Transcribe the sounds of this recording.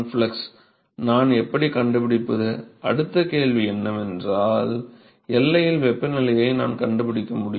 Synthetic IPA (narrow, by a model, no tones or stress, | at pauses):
flɐks | naːnɛpːɐɽikɐɳɖɯpɪɽɪpːɐðɯʔɐ̰ɽɯt̪ːɐkeːɭʋiɛnːɐmɛndraːl | ɛlːɐjɪlʋɛpːɐnɪlɐjɐɪna̰ːnkɐɳɖɯpɪɽɪkːɐmʊɽɪ